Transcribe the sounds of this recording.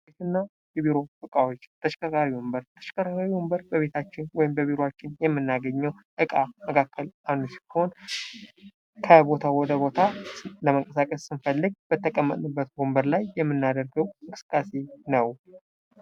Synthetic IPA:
bet̪ɨnːa | jɛβiɾo̞fɨkʼawot͡ʃːt̪ʰəʃkʼəkaɾiwɔmbəɾt̪ʰəʃkʰʼakakaɾiwombəɾbəβe̞t̪ʰat͡ʃːɪnwɔjɪmbəβiɾoat͡ʃːɪnjɛmːɨnːaɡəɲːəw | ʔɨkʼaməkʰakʰːəlʔanusi̥kho̞n | kʰəbo̞t̪ʰawɔd̪əβo̞t̪ʰaləməŋkʼəsakʼəsːɨnfəlːɨɡ̚bət̪ʰːəkʼəmːə̰t̪ʼnɨbːət̪ɡombəɾlajːɛmːɨnːad̪əɾɡəwɨkʼɨsɨ̥kʼːase̞nəw

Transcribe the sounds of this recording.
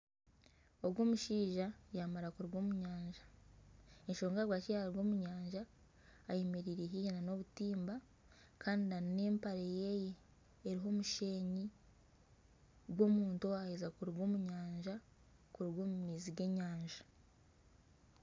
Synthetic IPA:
o̞βɡwo̞ːmuʃiːʒajamaɾakuɾiɡwo̞muɲaːɲʒḁ | eɲʃo̞ːŋɡaɡwaːt͡ʃijaaɾɡo̞ːmuɲaːɲʒaː | jemeɾiɾiɦijenano̞βutiːmba | kʰaːndinanine̞ːmpaɾejejeː | ɾiɦo̞muʃe̞ːɲi | ɡwo̞muːntowahezakuɾiɡo̞ːmuɲaːɲʒa | kuɾiɡwoːmumiːziɡe̞ɲaːɲʒḁ

